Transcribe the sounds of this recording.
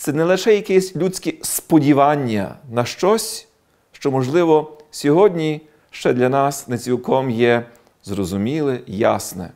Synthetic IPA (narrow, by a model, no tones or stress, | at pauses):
t̪sɛnɛlˠɪʃɛjɐkɛsʲlʲut͡sʲkʲispɔdʲiʋɑnʲːɐ̰nɐʃt͡ʃɔsʲ | ʃt͡ʃɔmɔʒlˠɪʋɔsʲɔɦɔdʲnʲi | ʃt͡ʃɛd̪lʲɐnɑsnet͡sʲilˠkɔmjɛ | zrɔzʊmʲilˠɪja̰snɛ̰